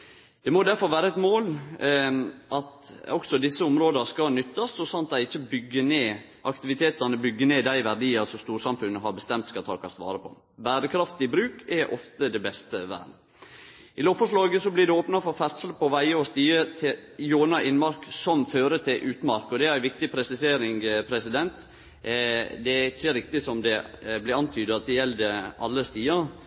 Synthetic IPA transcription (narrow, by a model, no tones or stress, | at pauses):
d̪̥ɛmɔd̪æɾfɔɾʋæːɾəɛt̪moːl | ʔɑt̪ɔksɔd̪ɪsːəʊmɾoːd̪əskɑnʏt̪ːɑsɔsɑnt̪d̪æɪɪçːəbʏɡːəneː | ʔɑkt̪ɪʋɪt̪ʰeːt̪ənəbʏɡːəneːd̪æɪʋæɾɖ̪iːəɾsɔmst̪uːɾsɑmfʉnːəɦɑɾbəst̪ɛmt̪skɑt̪ʰɑ̰ːkʰɑst̪ʋɑ̰ːɾəpʰɔ̰ | bæːɾəkʰɾɑft̪ɪbɾʉːkʰɛʔɔ̰ft̪əd̪ɛbɛst̪əʋæ̰ː | ɪloːpfɔʂlɑːɡəsɔblɪd̪ɛoːpnɑfɔɾfæɾt̪səlpʰɔʋæɪəɔst̪iːət̪ʰɪljoːnɑʔɪnmɑɾksɔmføːɾət̪ʰɪlʔʉːt̪mɑɾkɔd̪ɛæɾæɪʋɪkt̪ɪpʰɾɛsɪseːɾɪŋpʰɾɛsɪd̪ɛnt̪ | d̪ɛɪçːəɾɪkt̪ɪsɔmd̪ɛblɪɾɑnt̪ʰyːd̪əɑt̪̚d̪ɛjɛld̪əʔɑlːəst̪iːəɾ